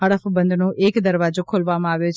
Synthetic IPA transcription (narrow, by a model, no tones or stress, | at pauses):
əɽəfbənd̪ʱnoʔekd̪əɾʋad͡ʒokʰolʋamãaʋjot͡ʃʰ